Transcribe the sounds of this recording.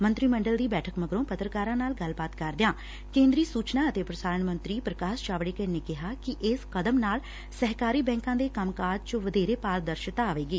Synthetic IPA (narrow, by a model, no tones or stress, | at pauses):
mənt̪ɾiːməɳɖəld̪iːbɛːʈʰəkməɡɾõːpət̪ɾəkaːɾãːnaːlɡəlbaːt̪kəɾd̪ɪjãː | kẽːnd̪ɾiːsuːt͡ʃnaːət̪eːpɾəsaːɾəɳmə̃nt̪ɾiːpɾəkaːst͡ʃaːʋɽeːkəneːkɪɦaːkɪʔɪskəd̪əmnaːl | səɦkaːɾiːbɛ̃ːŋkãːd̪eːkəmkaːd͡ʒt͡ʃəʋəd̪eːɾeːpaːld̪əɾʃt̪aːaːʋeːɡiː